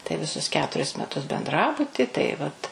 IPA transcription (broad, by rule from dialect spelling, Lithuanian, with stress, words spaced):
tɐɪ ʋʲɪˈsʊs ˈkʲæːtʊrʲɪs mʲɛˈtʊs bʲɛnˈdrɑːbʊtʲɪ tɐɪ ˈʋɐt